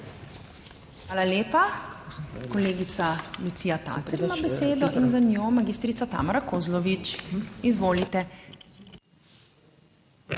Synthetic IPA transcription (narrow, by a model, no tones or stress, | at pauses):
xʋaːlaleːpa | kɔleːɡit̪salut̪sijat̪a̰ːt̪ɛɾmabɛseːd̪ɔʔinzanjoːmaɡiːst̪ɾit̪sat̪a̰ːmɔɾakoːzlɔʋit͡ʃizʋoːlit̪ɛ